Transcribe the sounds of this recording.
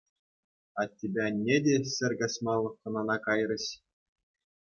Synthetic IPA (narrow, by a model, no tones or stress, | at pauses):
ɑt̪ʲːibʲænʲːedʲesʲɘ̆rʲɡɑsʲmɑlˠːɤkɤ̆nɑnɑkɑjrʲɤ̆ɕ